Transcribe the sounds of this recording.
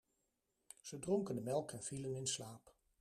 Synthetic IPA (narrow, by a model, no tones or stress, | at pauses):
z̥ədrɔŋkəndəmɛlˠkɛnv̥ilənɪnslaːp